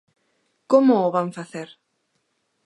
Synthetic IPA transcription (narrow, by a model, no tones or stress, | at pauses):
komʊːβaŋfaθeɾ